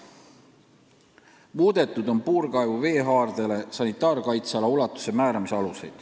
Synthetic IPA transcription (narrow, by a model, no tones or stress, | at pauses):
muːd̪̥e̞t̪ːˑud̪̥o̞npuːɾkɑevuve̞ːɦɑːrd̪̥ele̞sɑnit̪ːˑɑːrkɑjt̪sɑlɑulɑt̪ːˑu̥se̞mæːɾɑmiseɑluse̞jd̪̥